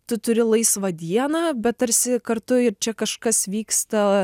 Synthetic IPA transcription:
t̪ʊt̪ʊɾʲɪlˠɐɪsʋɐd̪ʲiɛnɑːbʲɛt̪̚t̪ɐɾʲsʲɪkɐɾt̪ʊɪɾt͡ʃʲɛkɐʃkɐsʋʲiːkst̪ɐ

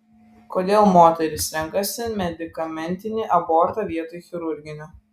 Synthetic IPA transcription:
koːd̪ʲeːlˠmoːt̪ʲɛɾʲɪsɾʲɛŋˑkɐsʲɪmʲɛd̪ʲɪkɐmʲɛnʲt̪ʲɪnʲɪʔɐbɔːɾt̪ɐʋʲiɛt̪oːjxʲɪɾʊɾʲɡʲɪnʲʊ

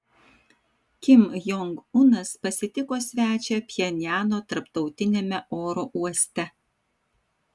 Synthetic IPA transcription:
kʲɪmjɔŋɡʊnɐspɐsʲɪt̪ʲɪkoːsʲʋʲæːt͡ʃʲɛpʲjɛnʲjæːnoːt̪ɐɾpt̪ɒʊt̪ʲɪnʲeːmʲɛʔoːɾoːʔuɔsʲt̪ʲɛ

